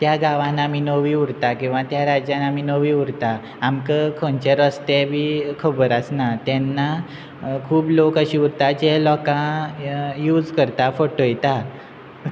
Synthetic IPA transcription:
t̪jaɡaʋãnamiːnoʋiuɾt̪akĩw̃ʋat̪jaɾad͡ʑjanamiːnoʋiuɾt̪aː | mkəkʰõnt͡ɕeɾɔst̪ɛbiːkʰəbəɾəsnat̪jɛnːa | kʰuːblokəɕiːuɾt̪ad͡ʑɛlɔkã | juːd͡zkəɾt̪afɔʈojt̪a

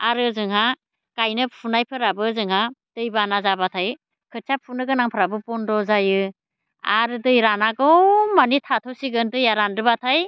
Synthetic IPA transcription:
aɾɯzɯŋɦa | kajnɯpʰunajpʰɯɾabɯzɯŋɦad̥ɯjbanazabatʰaj | kʰɯt͡ʃʰapʰunɯɡɯnaŋpʰɯɾabɯpɔndɔzajɯ | a̰ɾɯdɯjɾanaɡɯmanitʰatʰɔsiɡɯndɯjaɾanɾɯbatʰaj

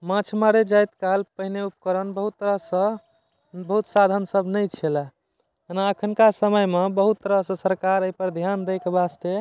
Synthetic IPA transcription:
mãt͡ʃʰmaɾed͡ʒajt̪kalpəɦineup̚kəɾənbəɦut̪ːəɾəsə̃ | bəɦut̪sad̪ʱənsəbnəjt͡ʃʰelɛ | ənaəkʰənkasəməjmebəɦut̪ːəɾəsə̃səɾkaɾəjpəɾd̪ʱjand̪ejkebast̪e

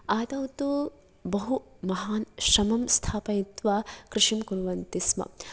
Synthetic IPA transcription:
aːd̪ɐwt̪u | bɐɦu | mɐɦaːnʃɾɐmɐmst̪ʰaːpɐjit̪ʋaːkɾɪʂimkunuʋɐnt̪ismɐ̰

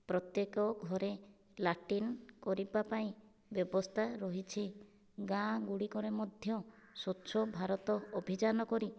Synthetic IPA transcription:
pɾɔt̪jekɔɡʱɔɾe | laʈinkɔɾibapaĩ | bjɔbɔst̪ʰaɾɔɦit͡ʃʰi | ɡãɡuɽikɔɾemɔd̪ʱjɔsot͡ʃʰɔbʱaɾɔt̪ɔːbʱid͡ʒanɔkɔɾi

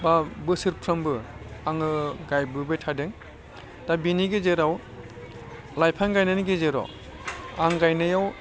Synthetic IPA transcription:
babɯsɯɾpʰɾɯmbɯaŋɯɡajbɯbɯjtʰadɯŋ | dabiniɡezeɾaw | lajpʰanɡajnaniɡezeɾa̰w | aŋɡajnɯjaw

